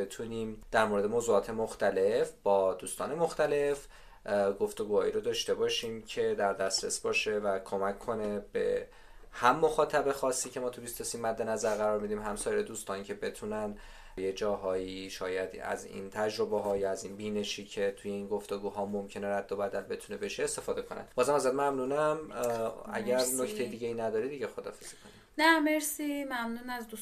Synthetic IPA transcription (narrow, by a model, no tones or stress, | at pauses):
et̪ʰunimd̪̥æɾmoɾed̪e̞moːzuɒːt̪ʰe̞moxt̪ʰæle̞fb̥ɒːd̪uːst̪ɒːne̞mo̞xt̪æle̞f | ɡo̞ft̪o̞ɡuːhɒːiɾod̪ɒːʃt̪e̞bɒːʃiːmcʰe̞d̪æɾd̪æst̪ɾe̞sbɒːʃe̞vækʰo̞mæcʰːo̞ne̞b̥ḛ | hæmːo̞xɒːt̪ʰæbe̞xɒːsːiːcʰe̞mɒːt̪ʰubist̪o̞siːmːæd̪ːe̞næzæɾɣæɾɒːɾmid̪iːmɦæmsɒːjeɾed̪uːst̪ɒːnicʰe̞be̞t̪ʰunæn | jed͡ʒɒːɦɒːiʃɒːjæd̪æ̰zḭnt̪ʰæd͡ʒɾo̞beɦɒːjɒæzinbiːne̞ʃiːcʰe̞t̪ʰuje̞inɡo̞ft̪e̞ɡuːɦɒːmomcʰe̞neɾæd̪ːo̞bæd̪ælbe̞t̪ʰune̞be̞ʃeːst̪e̞fɒːd̪e̞kʰo̞nʔæ̰nd̪bɒːzæmæzæt̪emæmnuːnæm | æ̰ɟæɾno̞ct̪ʰejed̪iɟejinæd̪ɒːɾid̪iɟexo̞d̪ɒ̰ːfez̥i̥kʰo̞ni̥ | næmeɾsimæmnuːnæzd̪u